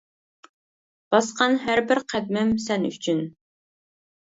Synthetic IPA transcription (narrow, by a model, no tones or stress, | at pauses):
b̥ɑsqɑnɦæɾbɪɾqʰæd̪̚mɪmsɛny̰t͡ʃʰyn